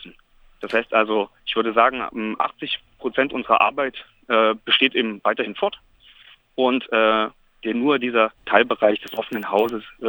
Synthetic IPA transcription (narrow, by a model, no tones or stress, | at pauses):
sn̩ | d̥ashaɪstʔalzoʔɪçv̥ʏɐdəzaːɡŋ̩ʔɛmʔa̰χt͡sɪçpʁ̥ot͡sɛntʔʊnzəʁɐ̰ʔa̰ɐbaɪt | ʔɛːb̥əʃteːtʔeːbm̩vaɪtɐhɪnfɔɐt | ʔʊntʔɛː | d̥eːɐnuːɐdiːzɐtʰaɪlbəʁaɪçd̥ɛsʔɔfənənhaʊzəs